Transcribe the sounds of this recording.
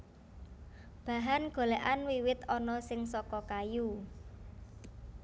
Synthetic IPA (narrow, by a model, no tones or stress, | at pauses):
b̥a̤ɦanɡ̥o̤leʔanwiwɪt̪ɔnɔsɪŋsɔkɔkaju